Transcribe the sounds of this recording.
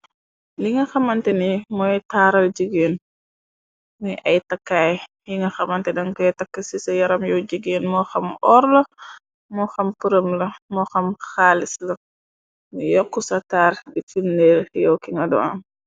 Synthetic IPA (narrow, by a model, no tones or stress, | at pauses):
liŋɡɐxɐmɐntɛnimɔjtaɾɐld͡ʒəɡeːn | mɔjʔɐjtɐkːaːj | jiŋɡɐxɐmɐntɛdɐŋkɐtɐkːɐsisɐjɐɾɐmjɔwd͡ʒəɡeːnmɔxɐmʔɔɾlɐ | mɔxɐmpuɾɐmlɐmɔxɐmxaːlislɐ | mujɔkːusɐtaːɾdifunːɛːɾjɔwkiŋɡɐdɔ̰ɐ̰m